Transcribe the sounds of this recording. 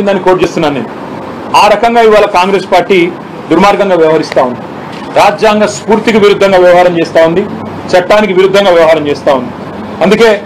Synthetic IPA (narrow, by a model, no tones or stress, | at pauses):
ind̪aːnːikoːʈ̚t͡ʃe̞ːst̪unːaːnneːnu | aːɾɐkɐŋɡaːiʋaːlɐkaːŋɡɾe̞spaːɾʈiː | d̪uɾmaːɾɡɐŋɡaːʋjɐʋɐɦɐɾist̪aːund̪i | ɾaːd͡ʒjaːŋɡaːspuːɾt̪iɡɐʋiɾud̪ʱːɐŋɡaːʋjɐʋɐɦaːɾɐmt͡ʃeːst̪aːund̪i | t͡ʃɐʈːaːnikiʋiɾud̪ʱːɐŋɡaːʋjɐʋɐɦaːɾɐmt͡ʃeːst̪aːund̪i | ɐnd̪uke̞ː